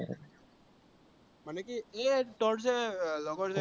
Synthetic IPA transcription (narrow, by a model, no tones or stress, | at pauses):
manɛkietɔʈzɛlɔɡɔtzɛ